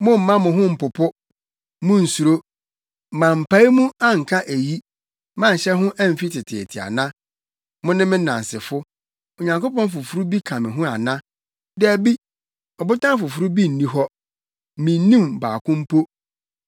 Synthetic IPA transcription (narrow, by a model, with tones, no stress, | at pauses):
mʊ̃˦m̩˨mã˦mʊ̃˨ɦʊ̃˦m̩˨pʊ˨pʰʊ˦ | mʊ̃˦n̩˨su˨ɾo˦˨ | mã˨m̩˨pʰa˨˦i˦mũ˦a˦ŋ̩˨kʰã˦ʔæ˨ji˦ | mã˦˨ɕɛ˦ɦʊ̃˦ʔæ˦m̩˨fi˦tʰɪ˨tʰɪ˨ḛ˨tʰɪ˨a̰˨nã˦ | mʊ̃˦nɪ̃˦mɪ̃˦nã̰˨n˨sɪ˨fʊ˦ | o˨ɲã˨ŋko˦pɔ̃˦n˦f̬ʊ˨fɾu˦bi˦kʰã˨mɪ̃˨ɦʊ̃˦a˨nã˦ | dɪ˦æ˨bi˦ | ɔ˨bʊ˦tʰã˦fʊ˨fʊ˨ɾu˦bi˦n̩˨nĩ˦ɦɔ˦ | mĩ˨n̩˦nĩ˦mba̰ː˨kʰʊ̃˦m̩˦pʰo˦